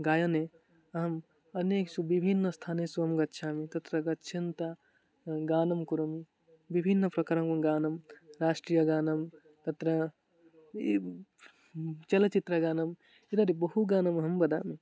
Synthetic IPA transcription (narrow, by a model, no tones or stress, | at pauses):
ɡaːjɐne | ɐɦɐm | ɐneːksubibʱinːəst̪ʰaːnesuɐmɡɐtːʃʰaːmit̪ɐt̪ɾɐɡɐtːt͡ʃʰint̪a | ɡaːnɐmkuɾɐmi | bibʱinːəpɾɐkɐɾɐmkɐɡaːnɐmɾaːʂʈɾijɐɡaːnɐm | t̪ɐt̪ɾɐ | t͡ʃɐlɐt͡ʃit̪ɾɐɡaːnɐm | id̪ɐɾibɐɦuɡaːnɐmɦɐmbɐd̪a̰ːmi